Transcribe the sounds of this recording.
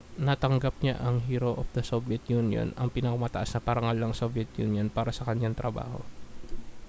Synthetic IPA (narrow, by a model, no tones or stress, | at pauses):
nɐt̪ɐŋɡap̚ɲa̰ʔɐŋɦiːɾoʔofd̪ɐsobjɐt̪̚junjo̰nɐŋpɪnɐkɐmɐt̪ɐʔasnɐpɐɾɐŋalːɐŋsobjɛt̪̚jṵnjonpaːɾɐsɐkɐɲaŋt̪ɾɐba̰ːho̞̰